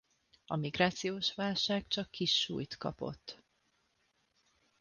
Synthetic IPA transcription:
ɒmiɡraːt̪sijoːʃʋaːlʃaːkt͡ʃɒkːiʃːṵːjt̪kɒ̰po̞̰t̪ː

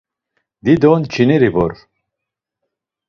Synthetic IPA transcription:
d̪id̪ɔnt͡ʃʰiniɾivɔ̰ɾ

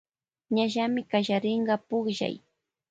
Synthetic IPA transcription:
ɲaʒamɪkaʒaɾɪɴɢɑpʊχʒa̰j

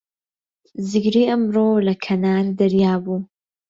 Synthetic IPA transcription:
zɪɡɾiːʔɐmɾolɐkʰɐnaːɾd̪ɐɾjaːbu

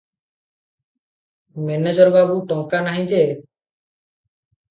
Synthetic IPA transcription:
mɛned͡ʒɔɾbabuʈɔ̃ŋkanaɦĩd͡ʒe

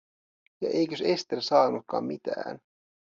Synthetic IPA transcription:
jɑ̰ʔejkøse̞st̪elsɑːnut̪̚kɑ̰ːmmit̪æ̰ːn

